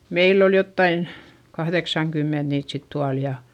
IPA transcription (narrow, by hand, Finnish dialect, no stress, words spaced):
meilː ol jotːɑin kɑhðeksɑŋkymːent niːt sit tuɑl jɑ